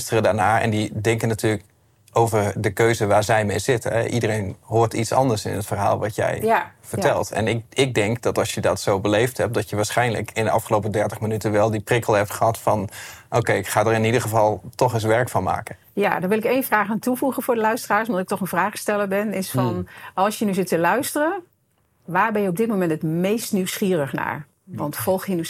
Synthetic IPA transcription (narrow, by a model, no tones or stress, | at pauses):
stərədaːɹnaːɛ̰ndidɛŋkənːatyːlək | owvərdəkøɥzəʋaːɹzɛjmejzɪtəɛ̰ʔḭdərejnɦʊːɹtitsɑ̰ndəɹsɪ̰nətfərɦa̰ːlˠʋɑtjɛ̰jfəɹtɛlˠtɛ̰nɪɪk̚dɛŋkdɔtɑlˠsjədɔtsowbəlejfthɛp̚dɔtjəʋaːɹsχɛjnlə̰kɪndəɑ̰fχəlowpədɛɹtəχmənytənʋɛlˠdiprɪkəlˠɦɛp̚tχəɦɑtfɑnʔowkejɪkχaːdəɾɪnidəχəvɑlˠtɔχɪsʋɛɹkfɑnma̰ːkə | ja̰dɔnʋɪlˠɪkejnvraːχaːntuvuχənvʊːdəlœɥstəraːɹsmadɑtɪk̚tɔχənvraːχstɛləbɪnɪsfɔnɑlˠsjənyzɪtəlœɥstərə | ʋaːɹbɛnjəɔb̚dɪt̚mowmɛntətmejstnywsχiːrəχna̰ːɹ | ʋɑntfɔlˠxjəny